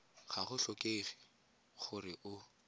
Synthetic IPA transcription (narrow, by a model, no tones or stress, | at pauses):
χaχʊɬɔkʼeːχi̥ | χʊrɪʔʊ